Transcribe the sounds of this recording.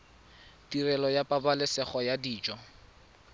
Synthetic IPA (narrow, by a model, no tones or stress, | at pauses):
tirɛlɔjapʼabalɪsɛχɔjadiːt͡ʃʼɔ